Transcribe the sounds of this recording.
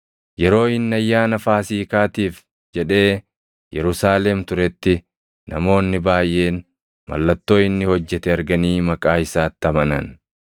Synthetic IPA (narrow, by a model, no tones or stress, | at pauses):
jɛɾo̞ːɪnːɐjːaːnɐfaːsiːkaːt̪iːf | d͡ʒɛᶑe̞ː | jɛɾʊsaːlɛmt̪ʊɾɛt̪ːɪː | ʔɐ̰mo̞ːnːɪbaːjʔe̞ːn | mɐ̰lːɐt̪ːo̞ːɪnːɪhɔd͡ʒːɛt̪ɛɐɾɡɐniːmɐkʼaːɪsaːt̪ːɐmɐnɐ̰n